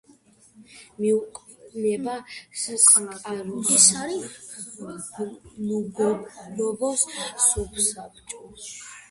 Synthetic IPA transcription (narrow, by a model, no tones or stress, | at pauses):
miuqʼ | nɛbassʼqʼnaqʼalɔɛsaɾi | mɡlɔbɔssupʰsap̚ʰt͡ʃʼɔ